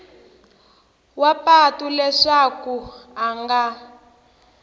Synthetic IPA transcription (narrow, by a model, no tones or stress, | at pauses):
wapatulɛʂakuaŋɡa